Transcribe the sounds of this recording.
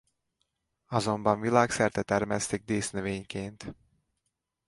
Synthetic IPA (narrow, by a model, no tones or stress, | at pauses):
ɒzo̞mbɒɱvilaːksɛrt̪ɛt̪ɛrmɛst̪eɡ̚d̪eːsnøveːɲkeːnt̪